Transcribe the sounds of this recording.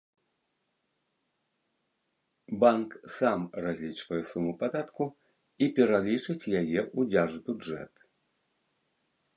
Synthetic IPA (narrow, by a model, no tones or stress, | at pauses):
banksamrazʲlʲit͡ʂvɐjɛsumupad̪at̪ku | ipʲɛɾalʲit͡ʂɨt͡sʲjajɛʔud͡zʲaʐbʲuʐɛ̰t̪